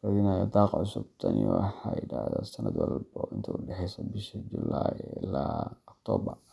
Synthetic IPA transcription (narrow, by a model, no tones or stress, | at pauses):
rɐðɪnajɐd̪ɑːqʕʊsʊb̚t̪ʰɐnɪwɑħɑjɪɽaːhðɔsɐnɐd̪wɑlbɔɪnt̪ʰɐʊɖɛħɛjsɐbɪʃɐd͡ʒʊlajɪlaːɔk̚t̪ʰɔːbɐr